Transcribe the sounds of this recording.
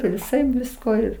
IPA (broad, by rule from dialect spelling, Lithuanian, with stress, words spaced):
ʋʲɪˈsɐɪp ˈʋʲɪskoː ɪr